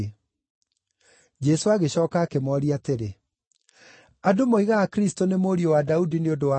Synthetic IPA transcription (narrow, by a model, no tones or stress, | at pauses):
d͡ʑɛsoaɣeɕɔːkaːkemɔɾiateɾe | adomoiɣaakɾistonemoːɾiowadaudineodoa